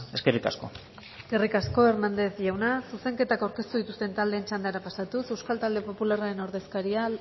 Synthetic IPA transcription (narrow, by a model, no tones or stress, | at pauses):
eskerika̰sko̞̰ | ɡe̞rikasko̞e̞ɾnand̪e̞θʝawnasuse̞ŋke̞t̪akawɾke̞st̪uðit̪u̥st̪e̞nt̪ald̪e̞ːnt͡ʃand̪eaɾapasat̪usewskalt̪ald̪e̞po̞pularaɾe̞no̞ɾðe̞skaɾia